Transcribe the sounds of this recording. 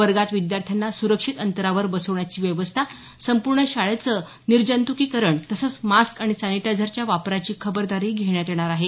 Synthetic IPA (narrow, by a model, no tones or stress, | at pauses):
ʋəɾɡat̪ʋid̪jaɾt̪ʰjanːasuɾəkʂit̪ənt̪əɾaʋəɾbəsəʋɳjat͡ɕiːʋjəʋəst̪ʰa | səmpuɾɳəɕaɭet͡sə | niɾd͡ʑənt̪ukiːkəɾəɳt̪əsət͡smaskaɽ̃it͡saniʈad͡zʱəɾt͡ɕjaʋapɾat͡ɕiːkʰəbəɾd̪aɾiːɡʱeɳ̃jat̪eɽ̃aɾaɦe